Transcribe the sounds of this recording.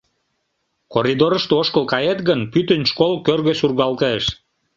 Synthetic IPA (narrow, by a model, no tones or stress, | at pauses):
koɾʲid̪oɾə̆ʃt̪eoʃkəlkɑjet̪ɣənpyt̪ə̆nʲʃkolkørɣøsurɣɑlt̪eʃ